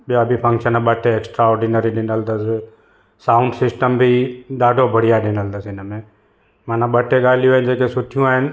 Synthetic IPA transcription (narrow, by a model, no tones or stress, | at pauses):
ɓijabʱipʰə̃ŋkʃənəɓəʈʰeeksʈɾaɔːɾɖinəɾiɗɪnəld̪əs | saːʊɳɖsɪsʈəmbʱiɗaːɖʱobʱəɽ̤ijaɗɪnəld̪əsɪnəmẽ | mãːnãɓəʈːeɡaːlijũaːɦɪnɪd͡ʒeːkesʊʈʰijũaːɦɪnɪ